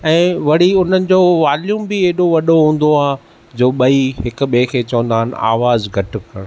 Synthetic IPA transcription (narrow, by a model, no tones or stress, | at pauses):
ɛ̃ːʋɐɽ̤iʊn̤ənɪ̆d͡ʑoːʋaːljuːmbɪeːɗoʋɐɗoɦũːn̆d̪oaː | d͡ʑoːɓɐiɦɪkʊ̆ɓekʰeːt͡ɕɐʋə̃nd̪aːɦɪnɪ̆a̰ːʋaːzɡʱɐʈɪ̆kʰɐɽ̃